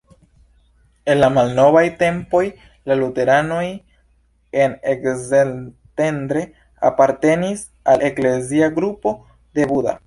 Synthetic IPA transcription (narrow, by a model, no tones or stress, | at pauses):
e̞nlamalno̞vajte̞mpo̞j | lalute̞ɾano̞j | e̞nekze | te̞ndɾe̞ | a̰paɾte̞nis | alʔe̞kle̞ziaɡɾupo̞ | de̞buda̰